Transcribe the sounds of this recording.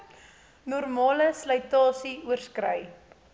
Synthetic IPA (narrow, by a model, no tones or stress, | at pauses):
nɔrmɑːləslœɥtɑːsiuərskrəj